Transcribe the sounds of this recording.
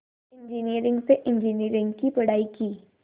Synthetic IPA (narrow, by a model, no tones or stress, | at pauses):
ɪ̃ɲd͡ʒiniːəɾɪ̃ŋɡseʔɪ̃ɲd͡ʒiniːəɾɪ̃ŋɡkipɐɽ̤aːikiː